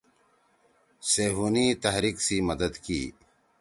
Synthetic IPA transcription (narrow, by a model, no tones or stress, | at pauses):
seːɦuːnit̪ɐɦɾiːksiməd̪əd̪kḭː